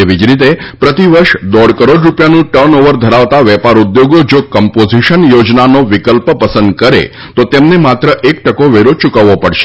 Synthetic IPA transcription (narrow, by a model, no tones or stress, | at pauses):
eʋid͡ʒɾit̪̬epɾət̪iʋəɾʃd̪ɔɽkəɾoɖɾupjanũʈəɾnoʋəɾd̪ʱəɾaʋt̪aʋɛpaɾud̪joɡod͡ʒokɔmpoziʃənjod͡ʒnanoʋɪkəlpəpəsə̃nd̪kəɾḛ | t̪ot̪emnemat̪ɾəʔek̚ʈəkoʋeɾot͡ʃukaʋːopəɽʃe̥